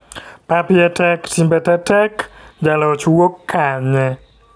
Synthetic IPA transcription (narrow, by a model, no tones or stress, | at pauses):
papɪɛtɛktimbɛtɛtɛkd͡ʒalɔt͡ʃwokːaɲɛ